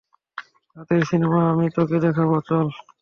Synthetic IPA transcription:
t̪at̪eɾsinemaamit̪oked̪ɛkʰabot͡ɕɔl

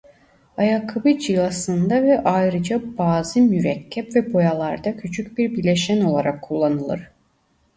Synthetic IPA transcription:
ɑjakʰːɯbɯd͡ʒɯlˠasɯnd̪avɛʔajɾɯd͡ʒabaːzɯmyɾɛkcʲʰːɛpvɛbo̞jalˠaɾd̪acʰyt͡ʃʰycbiɾbilʲeʃæno̞lˠaɾakʰːulˠːanɯlˠɯ̰ɾ̥

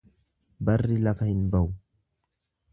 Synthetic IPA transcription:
bɐrːɪlɐfɐhɪnbɐʔʊ

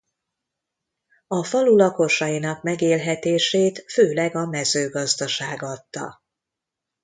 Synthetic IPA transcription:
ɒfɒlulɒko̞ʃɒjinɒkmɛɡeːlɦɛt̪eːʃeːt̪føːlɛɡɒmɛzøːɡɒzd̪ɒʃaːɡɒt̪ːɒ̰

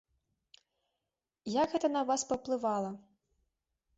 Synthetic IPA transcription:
jaɡɣɛt̪ɐnɐvaspɐwplˠɨvalˠɐ

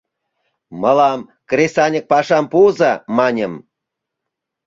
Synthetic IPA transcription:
məlɑmkrʲesɑnʲək̚pɑʃɑmpuzɑmɑnʲəm

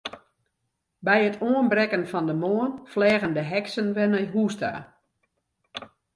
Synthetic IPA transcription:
bɛjətʰoːənbrɛkənfɔndəmoənflɛːɣəndəɦɛksənʋɛnɛjɦuːsta̰ː

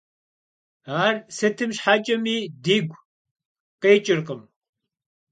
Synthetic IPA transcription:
ɦaːɾset̪ʰimɕħat͡ʃʼɐmid̪iɡʷ | qeːt͡ʃʼiɾqəm

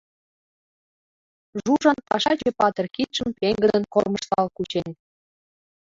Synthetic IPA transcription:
ʒuʒɑnpɑʃɑt͡ɕepɑt̪ə̆rkit̪ʃəmpeŋɡə̆d̪ə̆nkorməʃt̪ɑlkut͡ɕenʲ

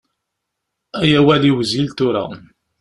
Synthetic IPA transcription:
æjæwæliwəzilt̪ʊɾa̰

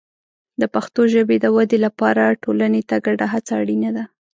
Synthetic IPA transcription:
d̪əpaxt̪oʒəbed̪əwad̪elapɑɾaʈolanet̪aɡaɽaɦat͡saːɽinad̪a

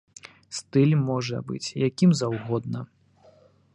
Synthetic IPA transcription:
st̪ɨlʲmɔʐɐ̰bɨ̰t͡sʲjakʲimzawɣɔd̪nɐ

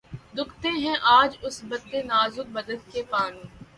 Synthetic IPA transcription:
d̪ʊkʰt̪eɦɛ̃ʔaːd͡ʒʊsbɐt̪ːenaːzʊd̪̚bɐd̪əd̪kepaːnũː

